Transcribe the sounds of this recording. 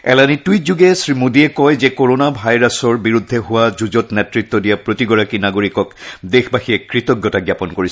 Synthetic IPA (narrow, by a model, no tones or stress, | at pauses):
ɛ̰lanitujtzuɡɛsɹimudiɛkɔjzɛkoɹonabʱajɹasɔɹbiɹudʱːɛɦʊwazuzɔtnetɹit̪ːɔdijapɹotiɡɔɹakinaɡoɹikɔkdexbaxijɛkɹitɔɡjɔtaɡjapɔnkoɹis